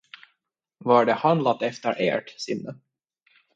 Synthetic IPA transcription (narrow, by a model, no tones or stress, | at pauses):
vaɖɛhand̪lat̪ːɛft̪əɾʔḛːʈsɪnːə